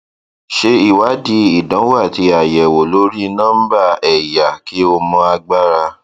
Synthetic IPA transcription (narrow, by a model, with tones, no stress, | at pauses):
ʃe˧i˦˨wa˨˦di˧i˨dã˨˦wa˦˨ti˧˦a˨jɛ˨wo˨lo˨˦ɾi˦˨nãː˦ba˦˨ɛ˨ja˨ki˨˦o˧mɔ̃˧a˧ɡ͡ba˦˨ɾa˧